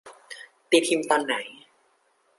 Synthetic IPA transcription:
t̪i˧˩t̪ʰi˧mt̪ɔ˧nːa˩˦j

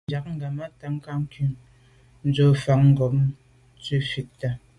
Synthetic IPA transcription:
d͡ʒa˨k̚ŋ̩˦ɡa˨ma˦ta˨ŋ̩˦ka˦ŋ̩˦ki˨˦ŋ | n̩˦d͡zo˦fa˨ŋŋ̩˦˨ɡɔ˨p̚m | t͡swi˦fi˨t̚ta˦

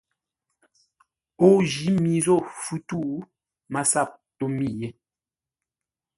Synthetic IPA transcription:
o˦˨d͡ʒi˨˦mi˨zo˦˨fu˦tu˦˨ʔ | ma˨sa˦˨p̚to˦mi˦˨je˦

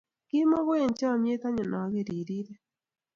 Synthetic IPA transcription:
ki˦mɔ˦ɣwe˦˨nt͡ʃa˦˨mje˦t̪a˦ɲɔ˨na˨˦ɣe˦˨ɾi˨ɾi˦ɾe˦

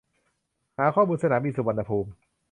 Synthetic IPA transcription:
haː˩˦kʰɔː˥˩muː˧nsa˧naː˩˦miː˧su˨˩wa˧nːa˧pʰuː˧m

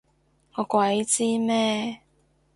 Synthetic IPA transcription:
ŋɔː˨˧kwɐ˨˦jt͡siː˥mɛː˥˧

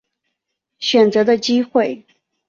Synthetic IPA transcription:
ɕɥɛ˨˩nt͡sɤ˧˥d̪ə˧t͡ɕi˥xwe˥˩ɪ

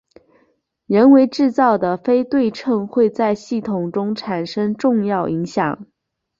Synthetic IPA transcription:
ɻə˧˥nwe˧˥ɪʈ͡ʂɻ̩˥˧t͡sɑ˥˩ʊd̪ə˩fe˥ɪt̪we˥˧ɪʈ͡ʂʰɤ˥˧ŋxwe˥˧ɪt͡sa˥˧ɪɕi˥˩t̪ʰʊ˨˩ŋʈ͡ʂʊ˥ŋʈ͡ʂʰa˨˩nʂɤ˥ŋʈ͡ʂʊ˥˧ŋjɑ˥˩ʊʔi˧˥ŋɕjɑ̰˨˩˦ŋ

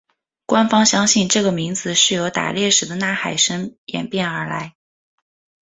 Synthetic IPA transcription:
kwa˥nfɑ˥ŋɕjɑ˥ŋɕi˥˧nʈ͡ʂɤ˥˩ɡə˩mi˧˥ŋd͡zɹ̩˧ʂɻ̩˥˩jo˧˥ʊt̪a̰˨˩ljɛ˥˩ʂɻ̩˨˩d̪ə˦na˥˩xa˨˩ɪʂə˥ŋjɛ̰˨˩npjɛ˥˩nə˞˧˥la˧˥ɪ

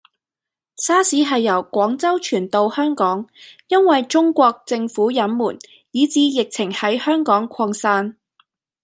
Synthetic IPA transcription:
saː˥siː˨˥ɦɐ˨jːɐ˨˩wkʷɔː˨˥ŋt͡sɐ˥wt͡ʃʰyː˨˩nt̪o˨whœː˥ŋkɔː˨˥ŋjɐ˥nwɐ˨jt͡ʃʊ˥ŋkʷɔː˧k̚t͡sɪ˧ŋfuː˨˥jɐ˨˥nmuː˨˩n | jiː˨˥t͡siː˨˥jɪ˨k̚t͡sʰɪ˨˩ŋhɐ˨˥jhœː˥ŋkɔː˨˥ŋkʷʰɔː˧ŋsaː˥n

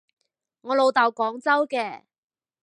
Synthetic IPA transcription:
ŋɔː˨˧lo˨˧wt̪aː˨wkɔː˨˥ŋt͡sɐ˥wkɛː˧

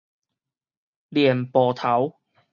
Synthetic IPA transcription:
li˨˩ənpɔː˨˩t̪ʰa˨˥w

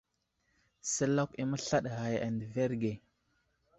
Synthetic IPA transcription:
sə˦la˦ki˦mə˦ɬa˦ɗɣa˨ja˨ndə˨ve˦ɾɡe˨

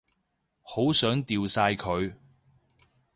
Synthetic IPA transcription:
ho˨˥wsœː˨˥ŋt̪iː˨wsaː˧jkʰɵ˨˧ɥ

